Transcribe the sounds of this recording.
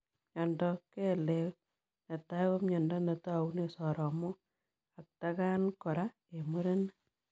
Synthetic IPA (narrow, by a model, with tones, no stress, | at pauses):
ɲɔ˨ndɔ˦ke˦lew | ne˨ta˦kɔ˦mɲɔ˨ndɔ˦ne˨ta˦u˦ne˨sɔ˨ɾɔ˨mo˦ | a˨k̚ta˦ka˦nkɔ˨ɾa˦ | e˨mu˦ɾe˦n